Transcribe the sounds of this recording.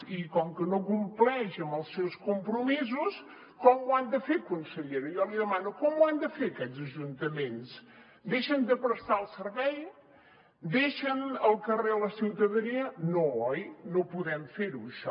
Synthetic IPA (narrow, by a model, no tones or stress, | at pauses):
ikɔŋkənokumplɛʃəməlˠsːɛwskumpɾumizus | kɔmwand̪əfekunsəʎeɾuijɔliðəmanukɔmwand̪əfeɾəkɛzəʒunt̪əmens | d̪eʃənd̪əpɾəst̪aəlˠsəɾβɛj | d̪eʃənəlˠkəreðələsiwt̪əðəniənoɔjnopuðɛmfeɾuəʃɔ